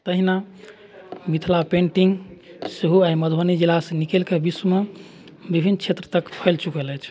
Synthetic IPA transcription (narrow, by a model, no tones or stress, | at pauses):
t̪əɦina | mit̪ʰlapẽɳʈiŋɡseɦuaiməd̪ʱənid͡ʒilasnikelkebiswəme | bibʱinːt͡ʃʰet̪ɾət̪əkpʰəɪlt͡ʃukəlɛt͡ʃʰ